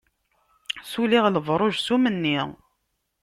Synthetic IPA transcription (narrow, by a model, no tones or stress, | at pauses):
suliʁləvɾˤoʒsumənːi